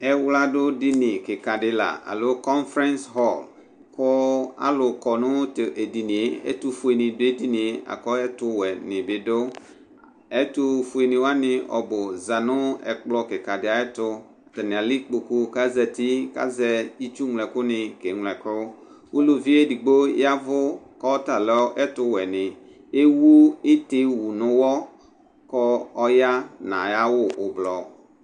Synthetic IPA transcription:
ɛ˦wla˦dʊ˦di˦nɪ̃˨kɪ˨ka˨dɪ˦la̰˨a̰˨lʊ˦kɔ˦nfɾɛ̃˦nsɦɔ˦˨l | kʊ˦a̰˦lʊ˨kɔ˨nʊ̃˦tʔe˨di˨nĩ˨e˦ɛ̰˦tʊ˦fʊ˨e˨nɪ̃˨dʊ˦e˦di˦nɪ̃˨˦a̰˨kɔ˦ɛ˦tʊ˦wɛ˨nɪ̃˨bɪ˨dʊ˦ | ɛ˦tʊ˦fu˨e˨nɪ̃˨wa˦nɪ̃˦ɔ̰˨bʊ˨za˨nʊ̃˦ɛ̰˨k͡plɔ˦kɪ˨ka˨dɪ˦a˨ɛ˦t̪ʊ˦˨ | t̪ɛ˨nɪ̃˨a˨li˦k͡po˨ku˦ka˦zɛ˨t̪i˦ka̰˦zɛ˦i˦t͡ʃu˦ŋlɛ˨kʊ˦nɪ̃˨ke˨˦ŋlɛ˨kɾʊ˦ | wu˦lo˦vi˦e˦di˨ɡ͡bo˦ja˦vʊ˦ | kɔ˦t̪a˨lɛ˨ɔ˦ʔɛ˦t̪ʊ˦wɛ˨nɪ̃˨ | e˦wu˦ɪ˦t̪ɪ˦wu˨nʊ̃˦wɔ˦ | kɔ˦ɔ˦ja˦nã̰˨ja˦wʊ˦ʔʊ˨blɔ˨

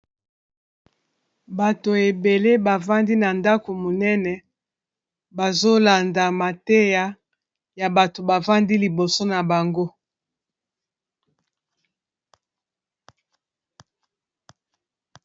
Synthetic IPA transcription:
ba˨to˨e˨be˨le˦ba˨va˦ndi˦na˨nda˦ko˨mo˨nɛ˦nɛ˨ | ba˨zo˦la˨nda˨ma˨te˦ja˦ | ja˨ba˨to˨ba˨va˦ndi˦li˨bo˨so˦na˨ba˨ŋɡo˦

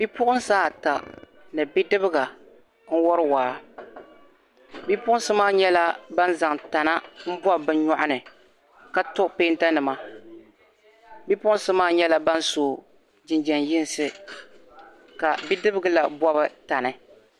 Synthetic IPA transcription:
bi˦pʊ˦ʔʊ˦n˦saː˦˨ta˨ | nɨ˨bi˦dɨ˦bɨ˦ɡa˨ | n̩˦wɔ˦ɾɨ˦waː˨˦ | bi˦pʊ˦ʊ˦n˦sɨ˦maː˦ɲɛ˦la˦ba˦nza˨ŋta˨na˦m̩˦bɔ˦bɨ˦ɲɔ˦ʔʊ˦nɨ˨ | ka˦tʊ˦ʔpeː˦nta˦nɨ˨ma˦ | bi˦pʊ˦ʔʊ˦sɨ˦maː˦ɲɛ˦la˦ba˦nsoː˨ | d͡ʒɪ˨nd͡ʒɛ˨njɪ˦n˨sɨ˦ | ka˨bi˦dɨ˦bɨ˦ɡɨ˦la˨bɔ˦βɨ˦ta˨nɨ˦

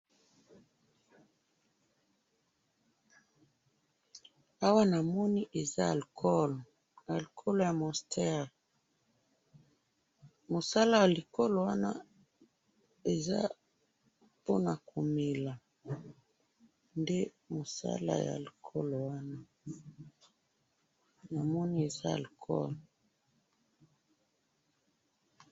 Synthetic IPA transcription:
a˦wa˦na˨mɔ˦ni˦ʔe˨za˦˨lkɔ˦l | a˨lkʰo˦lo˨ja˨mɔ˨stʰɛ˦ʁ | mo˨sa˦la˦ja˨li˨ko˦lo˨wa˦na̰˦ | e˨za˦ | po˦na˨ko˨mi˨la˨ | nde˦ | mo˨sa̰˦la̰˨ja̰˨li˨kʰo˦lo˨wa˦na˦ | na˨mɔ˦ni˦e˨za˦a̰˨lkʰɔ̰˦l

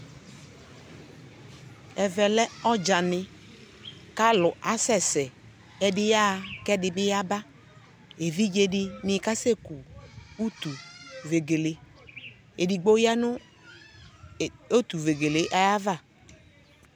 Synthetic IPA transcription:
ɛ˨vɛ˨lɛ˦ɔ˦d͡ʒa˨nɪ˨ | ka˦lʊ˨ʔa˨˦sɛ˦sɛ˨ | ɛ˨dɪ˦ja˦˨kɛ˦dɪ˨bɪ˦ja˦ba˦ | e˨vi˦d͡ʒe˦dɪ˦nɪ˨ka˦se˦ku˨u˦t̪u˨ve˨ɡe˨le˨˦ | e˨di˨ɡ͡bo˦ja˦nʊ˦˨ | o˦t̪u˨ve˨ɡe˨le˨˦ʔa˦ja˦va˦˨

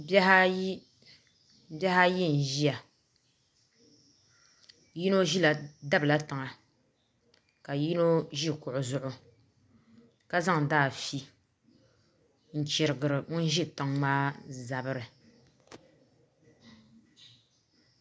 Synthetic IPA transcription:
bha˦j | bɛ˦ha˦ji˦n̩˨ʒi˦a˨ | ji˦no˦ʒi˦la˨da˦bɨ˨la˦ta˨ŋa˨ | ka˨ji˦no˦ʒi˦kʊ˨ʔʊ˨zʊ˨ʔʊ˨ | ka˦za˦ŋdaː˦˨fi˦ | n̩˨t͡ʃɪ˨ɾɨ˨ɡɨ˨ɾɨ˨ŋʊ˦n̩˦ʒi˦ta˨ŋmaː˦za˨bɨ˦ɾɨ˨

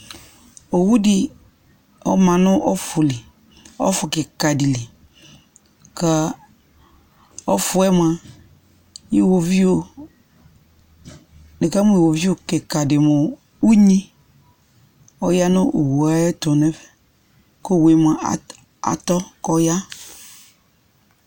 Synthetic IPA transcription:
o˨wu˦dɪ˨ | ɔ˦mã˨nʊ̃˦ʔɔ˦fʊ˨lɪ˨ | ɔ̰˦fʊ˨kɪ˨ka˨di˨li˨ | ka˦ | ɔ˦fʊ˨ɛ˦m˦˨a˨ | ji˨wo˨vi˦o˨ | nɪ˨ka˦mʊ˦i˨wo˨vi˦o˨ke˨ka˨dɪ˨mʊ˨ | u˦ɲi˦ | ɔ˦ja˦nʊ˦ʔo˨wo˨a˦ɛ˦tɔ˨nɛ˦fɛ˨ | ko˦˨we˨m˨a˨ | a̰˨tɔ˦kɔ˦ja˦

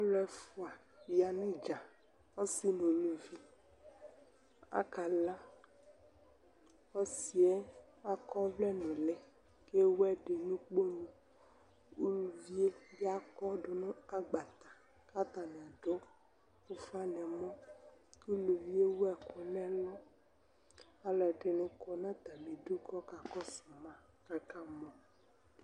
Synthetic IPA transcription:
ɔ˦lɛ˨fu˨a˨ | ja˨nũ˦d͡ʒa˨ | ɔ˦si˦nõ˨lu˨vi˦ | a̰˦ka˨la˦ | ɔ˦si˨ɛ˦ | a˦kɔ˦vlɛ˦nũ˨lɛ̃˨ | ke˦wɛ˦ɖe˨nũ˦k͡po˦nũ˨ | u˦lu˨vi˦e˦vi˦a˦kɔ˦ɖo˨nũ˦a˦ɡ͡ba˨t̪a˨ | ka˦t̪a˨nɛ̃˨a˨ɖo˦ | ku˦fa˦nɛ̃˨mɔ̃˦ku˦lu˨vi˦e˦wo˦ɛ˨ku˨nɛ̃˦lɔ˦ | a˦lɛ˨ɖe˨nũ˦kɔ˦nã˦t̪a˨mi˨du˦kɔ˦ka˨kɔ˦sɔ˨mã˨ | ka˨ka˦mɔ̃˨

